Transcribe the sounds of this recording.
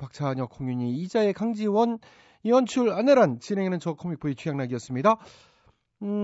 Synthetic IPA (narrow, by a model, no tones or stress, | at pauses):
pak̚t͡ɕʰaɲʌkʰoŋjuɲiːd͡ʑae̞kaŋd͡ʑiwʌn | iwʌnt͡ɕʰuɾaneɾant͡ɕinɦe̞ŋenɯnt͡ɕʌkʰʌmik̚p͈oit͡ɕʰujaŋnaɡiʌs͈ɯmɲida